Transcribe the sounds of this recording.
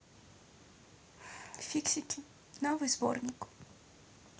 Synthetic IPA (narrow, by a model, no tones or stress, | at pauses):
fʲiksʲɪkʲɪ | nɐʋɨzbɔ̰rnʲikʊ̥